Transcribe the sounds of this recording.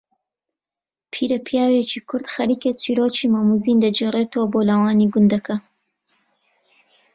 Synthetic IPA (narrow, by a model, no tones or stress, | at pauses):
pʰiːɾɐpʰijaːwet͡ʃiːkʰʊɾd̪xɐɾiːket͡sʰiɾoːt͡ʃʰiːmaːmuziːnd̪ɐd͡ʒeːreːt̪oːboːlawaːniɡʊnd̪ɐkɐ